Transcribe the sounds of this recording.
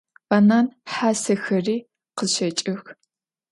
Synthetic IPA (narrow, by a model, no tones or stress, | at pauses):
banaːnħaːsɐxɐriː | qəzɕɐt͡ʃʼɪx